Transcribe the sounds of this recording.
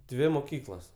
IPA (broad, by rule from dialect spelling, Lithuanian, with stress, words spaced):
ˈdʲʋʲɪ moːˈkʲiːklˠɐs